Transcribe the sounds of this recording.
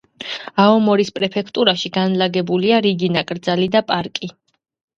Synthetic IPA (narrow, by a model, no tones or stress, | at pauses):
aɔmɔɾispʼɾɛpʰɛkʰt̪ʼuɾaʃiɡanlaɡɛbuliaɾiɡinakʼɾd̪zalid̪apʼaɾkʼi